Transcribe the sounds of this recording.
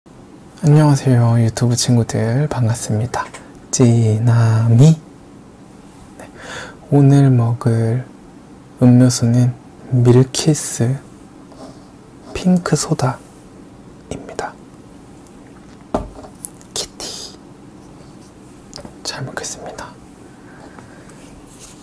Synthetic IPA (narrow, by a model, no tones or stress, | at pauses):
aɲːʌwasʰejojutʰubut͡ɕʰinɡudɯɭpaŋɡas͈ɯmɲida | t͡ɕinami | ne̞ | onɯɭmʌɡɯɾ | ɯmɲosʰonɯn | miɾkʰis͈ɯ | pʰiŋkʰɯsʰoda | imɲid̥a | kʰi̥tʰi̥ | t͡ɕaɭmokʰes͈ɯ̥mɲid̥ḁ